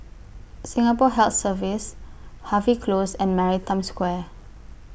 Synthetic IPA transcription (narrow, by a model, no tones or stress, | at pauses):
sĩŋapɔɦɛlt̪səvishavikʰlosɛ̃nmaɹitãmskwɛ